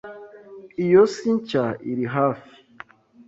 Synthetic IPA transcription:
ijosiɲt͡ʃaiɾiɦafi̥

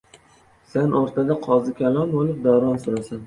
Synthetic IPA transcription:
sanʔɒɾt̪ʰad̪aqʰɒzɪkʲʰalˠɒnbolɪp̚d̪awɾɒnsʊɾasan

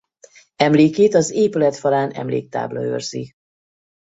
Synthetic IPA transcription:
ɛmleːkeːt̪ɒzeːpylɛt̪fɒlaːnɛ̰mlḛːk̚t̪a̰ːblɒø̰rzi

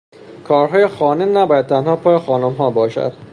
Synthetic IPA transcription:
kʰɒːɾɦɒːjexɒːnenæbɒːjæd̪̚t̪ʰænhɒːpʰɒːjexɒːnomɦɒːbɒːʃæ̰d̪̥

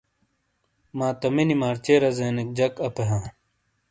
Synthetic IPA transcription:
mãːt̪ɐminimaːɾt͡ɕeɾɐzeːnek̚d͡ʑɐkɐpeɦãː

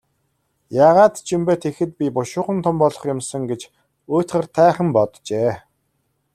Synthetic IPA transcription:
jaːʁaːt̪t͡ɕʰimpeːt̪ʰexɘ̆t̪̚pʲipʊʃʊːχə̆nt̪ʰʊmpɔɮɞ̆χjʊmsə̆ŋɡet͡ɕ | oːt̪χə̆rt̪ʰæːχə̆mpɔt̪t͡ɕeː

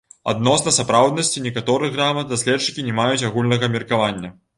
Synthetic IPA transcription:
a̰d̪̚nɔsnɐsapɾawd̪nɐsʲt͡sʲinʲɛkat̪ɔɾɨɣɣramɐt̪̚d̪asʲlʲɛtt͡ʂːɨ̥kʲinʲɛmajut͡sʲaɣulʲnɐɣɐmʲɛrkavanʲːɐ

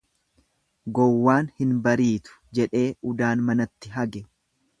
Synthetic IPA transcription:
ɡɔwːaːnhɪnbɐɾiːt̪ʊ̥d͡ʒɛᶑe̞ːʔʊd̪aːnmɐnɐt̪ːɪɦɐɡɛ

